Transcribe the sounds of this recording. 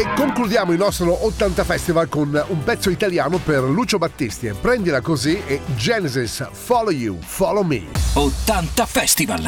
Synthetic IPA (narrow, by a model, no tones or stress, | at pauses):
ekːoŋklud̪jaːmoilnɔst̪ɾoʔot̪ːant̪afɛst̪ivalkonumpɛt̪sːoit̪aljaːnoperluːt͡ʃobat̪ːist̪iepːɾɛnd̪ilakozied͡ʒɛnezisfɔlojṵfɔlomḭot̪ːant̪afɛst̪iva̰l